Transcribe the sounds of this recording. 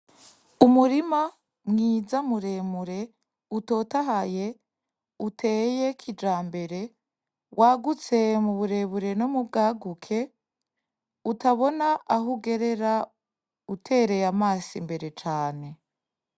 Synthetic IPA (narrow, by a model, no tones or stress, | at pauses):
umuɾima | mŋiːd͡zamuɾe̞ːmuɾe̞ | uto̞ːtaɦaje̞ | utʰe̞ːjekʰid͡ʒaːmbe̞ɾe̞ | wʔaːɡut͡se̞muβuɾe̞βuɾe̞no̞mub̚ɡaːɡukʰe̞ | utaβo̞naʔːɦuɡe̞ɾe̞ɾa | utʰe̞ːɾe̞jamaːsḭmbe̞ɾe̞t͡ʃaːne̞